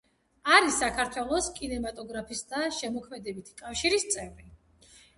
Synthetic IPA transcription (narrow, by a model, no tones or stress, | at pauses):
aɾisakʰaɾt̪ʰwɛlˠɔskʼinɛmat̪ʼɔɡɾapʰisd̪aʃɛmɔkʰmɛd̪ɛbit̪ʰi̥kʼafʃiɾist̪sʼɛvɾi